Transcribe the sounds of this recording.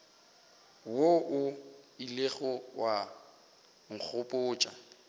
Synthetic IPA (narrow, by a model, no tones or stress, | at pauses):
woʔʊileɣɔwa | ŋ̩k͡xʰʊpʼʊːt͡ʃʼa̰